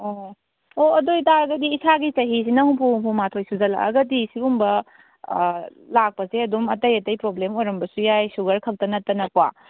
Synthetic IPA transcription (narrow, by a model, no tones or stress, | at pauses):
o | oɐdojtaɾɐɡɐdiːsaɡit͡ʃɐɦis̬inɐhuŋpʰuhumpʰumatʰojsuzɐla̰ɐ̰ɡɐdisibumbɐ | lak̚pɐseɐdumɐtɐjɐtɐjpɾoblemojɾɐmbɐsujajsuɡɐɾkʰɐk̚tɐnɐtɐnɐpa